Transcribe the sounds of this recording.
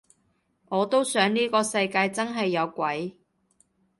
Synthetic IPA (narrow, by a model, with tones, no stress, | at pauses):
ŋɔː˨˧t̪o˥wsœː˨˥ŋniː˥kɔː˧sɐ˧jkaː˧jt͡sɐ˥nɦɐ˨jːɐ˨˧wkʷɐ˨˥j